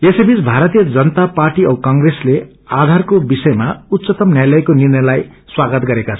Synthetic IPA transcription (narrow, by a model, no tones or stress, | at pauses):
esebit͡sbʱaɾʌt̪ijʌd͡zʌnʌt̪aparʈiʌbkʌŋɡresle | ad̪ʱarkobisʌjmaut̪ːsʌt̪ʌmnjajlʌjkonirnʌlaj | swaɡʌt̪ɡʌɾekat͡sʰʌ